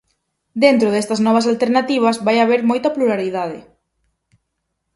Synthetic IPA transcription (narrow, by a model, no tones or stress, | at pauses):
d̪ent̪ɾʊðest̪ɐznɔβɐsalt̪eɾnat̪iβ̞ɐzβajaβ̞eɾmɔjt̪ɐpluɾaɾiðaðɪ̰